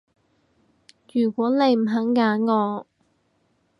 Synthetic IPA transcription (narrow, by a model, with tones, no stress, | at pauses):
jyː˨˩kʷɔː˨˥ne˨˧jm̩˨˩ɦɐ˨˥ŋːaː˨˥nŋɔː˨˧